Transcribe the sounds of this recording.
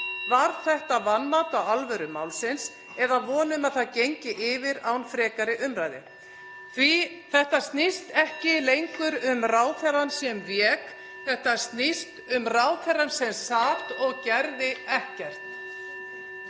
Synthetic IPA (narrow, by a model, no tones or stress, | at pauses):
vaɾ̥θɛht̪avanːat̪awalvœɾʏma̰ːwlsɪns | ɛðavɔːnʏmaðθaðcejɲcɪʔɪvɪɾawnfɾɛːkaɾɪʔʏmɾaːjðɪ | θvi | θɛht̪ast̪nɪst̪ɛhcɪlejŋkʏɾʏmraːwθɛransjɛmvjɛːk | θɛht̪ast̪nɪst̪ʏmraːwθɛrːansɛmsaːht̪ɔɣcɛɾðɪɛhcɛr̥t̪